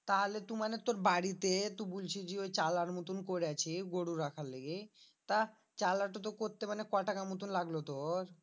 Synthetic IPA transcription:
t̪aɦolet̪umanet̪oɾbaɽit̪et̪ubult͡ɕʰid͡ʑiojt͡ɕalaɾmot̪unkoɾeat͡ɕʰiɡoɽuɾakʰalːeɡet̪a | t͡ɕalaɾʈat̪̬okoɾt̪emanekɔʈakamot̪̬unlaɡlot̪oɾ

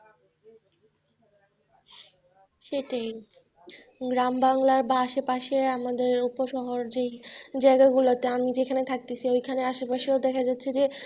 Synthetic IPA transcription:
ʃeʈaj | ɡɾambaŋlaɾbaaʃepaʃeamad̪eɾupoʃɔɦoɾd͡ʑejd͡ʑaeɡaɡulot̪eamid͡ʑekʰanet̪ʰak̚t̪esʰiojkʰaneaʃepaʃeod̪ɛkʰad͡ʑatːɕʰed͡ʑe

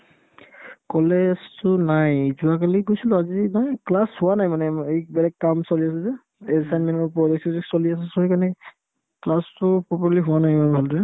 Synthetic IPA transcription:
kɔlɛstʊnajzʊak̬aliɡojsilʊazinaklashʊwanajmanɛejbɛlɛkːamsoliasɛzɛ | ɛzsanmɛnɔpɔdɔk̚suzɛsolias̬ɛsɔɦikanɛ | klastʊpɹɔpaliɦʊwanajmanɛbʱaldɛ

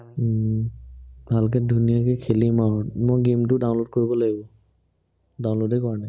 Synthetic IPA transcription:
bʱalk̬ɛdʱunijakɛkʰelimamɔɡemtʊdaw̃nlod̚koɹibɔlaɡibɔ | daw̃nlodekɔɹana

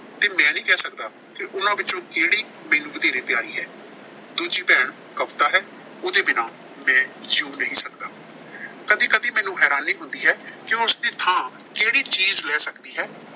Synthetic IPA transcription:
t̪eːmɛ̃ːnĩːkɛːsəkd̪aː | kɪʔʊnãːʋɪt͡ʃõːkeːɽiː | mɛːnũːʋəd̪eːɾeːpɪjaːɾiːɦɛː | d̪uːd͡ʒiːpɛːɳ | kəpt̪aːɦɛː | oːd̪eːbɪnaː | mɛ̃ːd͡ʒuːnəɦĩːsəkd̪aː | kəd̪ĩːkəd̪iːmɛːnũːɦɛːɾaːnːĩːɦʊnd̪iːɦɛːkɪʊsd̪eːt̪ʰãː | keːɽiːt͡ʃiːzlɛːsəkd̪iːɦɛː

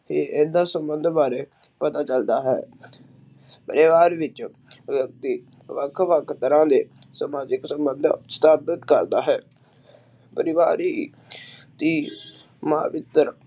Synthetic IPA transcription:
eːʔẽːd̪aːsəmbənd̪ʱbaːɾeːpət̪aːt͡ʃəld̪aːɦɛ̰ː | pəɾeʋaːɾʋɪt͡ʃ | ʋjək̚t̪iː | ʋəkʰʋəkʰt̪əɾãːd̪eːsəmaːd͡ʒɪksəmbənd̪st̪aːd̪ət̪kəɾd̪aːɦɛː | pəɾɪʋaːɾiː | t̪iː | mã̰ːʋɪt̪ːəɾ

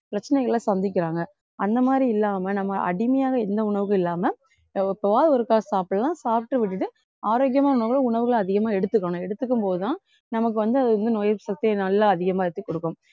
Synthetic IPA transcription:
pɾɐt͡ʃːɐnɛɪɣɐɭlɐsɐnd̪ɪk̬ʲːɪɾaːŋɡɐ | ɐnd̪ɐmaːd̪ɾiɪlːaːmɐnɐmːɐʔɐ̰ɽɪmɐjaːɣɐɛnd̪ɐʊɳɐʋɯɣɐɭɪlːaːmɐ | ɪpːɐʋaːðɔɾɯkːaːɣɐsaːpɭlãːsaːp̚ʈːɯʋɪʈ̬ːɯʈːɯ | aːɾoːkjɐmaːnɐʊɳɐʋɯɣɐɭɐ̃ʊɳɐʋɯɣɐɭɐðɪɣɐmaːɛɽɯt̪ːɯkːɐɳʊ̃ɛɽɯt̪ːɯkːɯmpoːðɯt̪ãː | nɐmɐk̬ːɯʋɐnd̪ɯɐðɯɐnd̪ɯnɔjɐɾsɐk̚t̪ɪjɐnɐlːaɐðɪɣɐmaːɛɽɯt̪ːɯkːɔɽɯkːʊ̃m

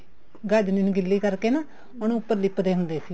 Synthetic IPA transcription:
ɡaːd͡ʒnenũːɡɪlːiːkəɾkeːnaː | məñũʊpːəɾliːpəd̪eːɦʊnd̪eːsi

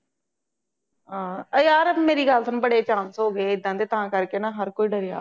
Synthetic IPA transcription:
ɦãːəjaːɾmeːɾiːɡəlsənːbəɽeːt͡ʃaːnsɦoːɡeːɪd̪ːãːd̪eːt̪ãːkəɾkeːnãːɦəɾkoːiːɖəɾɪja̰ː

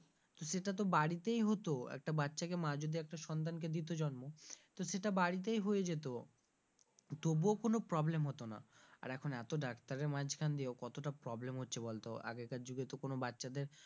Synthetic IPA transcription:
t̪oʃeʈat̪̬obaɽit̪ejɦot̪oɛ̰k̚ʈabatːɕakemãd͡ʑod̪iɛk̚ʈaʃɔnt̪ank̬ed̪it̪̬od͡ʑɔnmot̪oʃeʈabaɽit̪̬ejɦojed͡ʑet̪̬o | t̪obokonopɾɔblemɦot̪ona̰a̰ɾɛkʰonɛt̪oɖakt̪aɾeɾmãd͡ʑkʰand̪iokɔt̪oʈapɾɔblemɦotːɕʰebɔlt̪o̰a̰ɡekad͡ʑuɡet̪okonobatːɕad̪eɾ

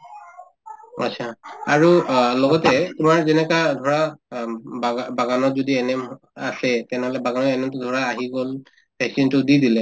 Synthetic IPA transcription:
a̰t͡ʃʰaaɹulɔɡɔtɛtʊmaɹzɛnɛkadʱɔɹa | babaɡanɔzodiɛnɛm | asɛtɛnɛɦɔlɛbaɡanɔɛnɛmtʊdʱɔɹaːɦiɡol | pɛksintʊdidilɛ

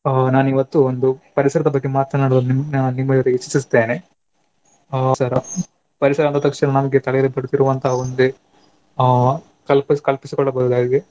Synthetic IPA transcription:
naːniʋɐt̪ːuond̪upɐɾisɐɾɐd̪ɐbɐɡːe̞maːt̪ːɐnaːɽɐnimɐnːnːimːɐɾeit͡ʃːisist̪eːne | sɐɾ | pɐɾisɐɾɐːnt̪ɐt̪ɐkʂɐnɐnɐmɐɡet̪ɐɭɛjɐlepɐɽut̪iɾuʋɐnt̪ʰɐɦɐond̪e | kɐlpɐskɐlpisikɔɭːɐbɐud̪aːɡid̪e

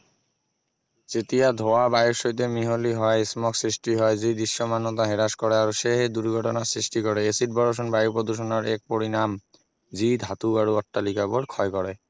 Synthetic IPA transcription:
t͡ɕet̪ijad̪ʱoabajoɾʃoit̪̬emiɦoliɦɔeismɔksɾiʃʈiɦɔed͡ʑid̪iʃːomanːot̪aɦeɾaʃkɔɾeaɾoʃeɦed̪uɾɡʱɔʈonasɾiʃʈikɔɾeesiʈ̚bɔɾoʃ̬onbajpod̪uʃ̬onaɾɛk̚poɾinam | d͡ʑid̪ʱat̪uaɾoɔʈːalikaboɖkʰɔekɔɾe

